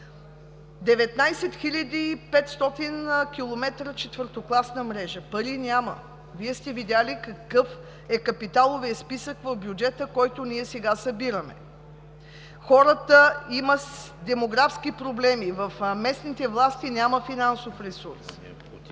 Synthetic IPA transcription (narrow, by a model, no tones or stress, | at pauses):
d̪ɛvɛt̪najsɛt̪xilʲəd̪iːpɛt̪st̪ɔt̪inkʲilˠomɛt̪ɾət͡ʃɛt̪vəɾt̪oklˠasnəmɾɛʒəpəɾinʲamə̰ | viɛst̪ɛvid̪ʲalikɐkɤf | ɛkɐpit̪alˠovijəspisəkvɐvbjud͡ʒɛt̪əkɔjt̪ʊniɛsɛɡasəbiɾəmɛ̰ | xɔɾət̪əiməd̪ɛmoɡɾafskipɾoblɛmivɐfmɛsnit̪ɛvlˠast̪inʲaməfinansofɾɛsuɾs